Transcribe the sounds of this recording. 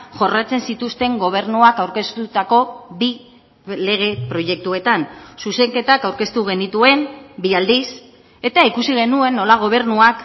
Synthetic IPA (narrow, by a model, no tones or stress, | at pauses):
ʝo̞rat͡se̞nsit̪ust̪e̞ŋɡo̞β̞e̞ɾnuakawɾke̞st̪ut̪ako̞bi | le̞ɣ̞e̞pɾo̞je̞k̚t̪ue̞t̪ansuse̞ŋke̞t̪akawɾke̞st̪uɣe̞nit̪ue̞mbiald̪is | e̞t̪aikusiɣe̞nue̞nːo̞laɣ̞o̞β̞e̞ɾnuak